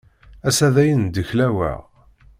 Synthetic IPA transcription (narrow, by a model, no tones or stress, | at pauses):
æsæðæjənd̪əçlæwæ̰ʁ